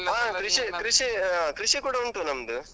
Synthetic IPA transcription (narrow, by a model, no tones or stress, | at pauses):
aːkɾiʂikɾiʂiaːkɾiʂikuːɽɐuɳʈunɐmd̪ɯ